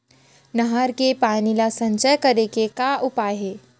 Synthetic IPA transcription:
nɐɦaɾkepaːnilasɐ̃ɲt͡ʃəjkɐɾekekaʔʊpaːjɦeː

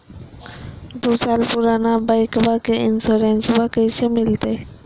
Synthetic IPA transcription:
d̪usalpuɾanabajkbakeinsoɾensbakəjsemilit̪aj

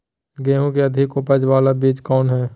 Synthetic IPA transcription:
ɡɛ̃ːɦõkeɐd̪ʱɪkʊpəd͡ʒʋaːlabiːd͡ʒkɔːnɦɛː

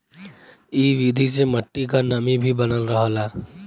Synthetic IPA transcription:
iːʋid̪ʱiseməʈːikanəmibʱibənəlɾəɦəla

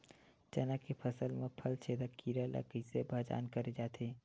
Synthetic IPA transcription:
d͡ʒɐnakepʰɐsəlmẽpʰəlt͡ʃʰeːd̪akiːɾala̰kisebʱɐd͡ʒa̰ːnkɐɾed͡ʒaːt̪ʰeː

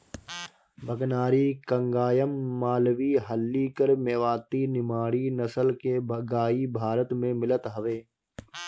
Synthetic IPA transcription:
bʱɐɡnaːɾikɐ̃ŋɡaːjəmːaːlʋiɦəlːikəɾmeːʋaːt̪inɪmaːɽinɐsəlkebɡaːibʱaːɾət̪mẽmɪlət̪ɦɐʋeː

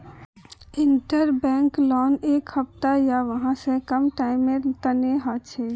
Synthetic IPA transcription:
ɪɳʈəɾbɛ̃ːŋklɔːneːkhəp̚t̪ajaʋəɦãsẽkəmʈaɪmːẽt̪əneɦat͡ʃʰɛ

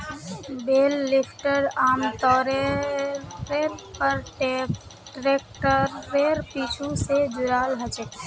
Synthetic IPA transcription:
belːipʰʈəɖamt̪ɔɾe | ɾeɾpəɾʈ | ʈɾek̚ʈəɾeɾpit͡ʃʰused͡ʒuɾalɦət͡ʃɛ

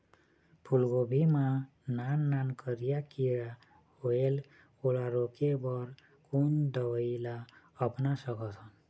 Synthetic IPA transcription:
pʰulɡobʱima | nanːankəɾijakiɾa | oel | olaɾokebɔɾ | kund̪əwəila | əpnasʌkɔt̪ʰɔn

